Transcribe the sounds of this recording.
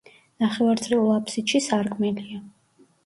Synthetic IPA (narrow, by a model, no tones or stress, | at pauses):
naχɛvaɾt̪sʰʼliulˠapʰsit̪ʃisaɾɡmɛlia